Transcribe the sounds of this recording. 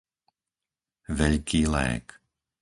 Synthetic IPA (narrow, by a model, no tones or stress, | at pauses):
ʋɛʎkʰiːlɛ̰ːk